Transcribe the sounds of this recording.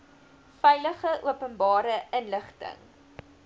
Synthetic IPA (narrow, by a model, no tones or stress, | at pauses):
fɛjləχəʔuəpənbɑːɾəənləχtə̰ŋ